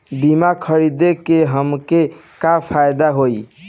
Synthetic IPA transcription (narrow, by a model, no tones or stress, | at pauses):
bimakʰəɾid̪ekeɦəmke | kapʰajd̪aɦoj